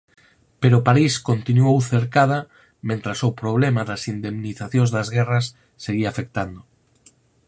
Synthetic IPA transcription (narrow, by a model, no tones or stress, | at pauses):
peɾopaɾiskont̪inuowθeɾkað̞ɐ | mẽnt̪ɾasopɾoβlɛmaðɐsind̪emniθaθjõŋzðɐzɣɛrɐsː | eɣiafek̚t̪and̪ʊ